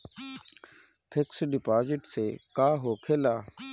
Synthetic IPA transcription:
pʰɪksɖɪpaːzɪʈseːkaːɦoːkʰeːlaː

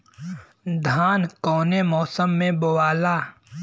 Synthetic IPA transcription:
d̪ʱaːnkɔːnemɔːsəmːẽbowaːlaː

